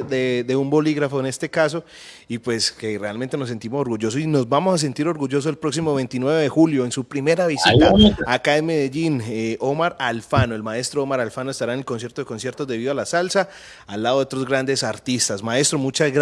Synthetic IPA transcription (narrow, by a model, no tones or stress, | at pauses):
ded̪e̞umbo̞liɣɾafo̞ene̞st̪e̞kas̬o̞ | ipwe̞ske̞realmẽnt̪eno̞s̬ːe̞nt̪imo̞so̞ɾɡuʝo̞s̬osino̞zbamo̞sas̬e̞nt̪iɾo̞ɾɣuʝo̞s̬oselpɾo̞ksimo̞βe̞jnt̪inwe̞βeðexuljo̞ensupɾime̞ɾaβisit̪aakaenme̞ðe̞ʝineomaɾalfanoe̞lmae̞st̪ɾoomaɾalfanoest̪aɾaene̞lkons̬jeɾt̪oðeko̞nsje̞ɾt̪o̞zd̪eβiðoalasalsaː | lːaðo̞ðeot̪ɾo̞zɣɾand̪esaɾt̪ist̪asmae̞st̪ɾo̞mut͡ʃaz